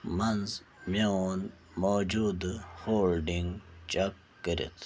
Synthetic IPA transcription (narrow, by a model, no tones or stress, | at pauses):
mɐnz | meon | moːd͡ʑud̪hoːlɖiŋɡt͡ʃɐkːəɾḭt̪ʰ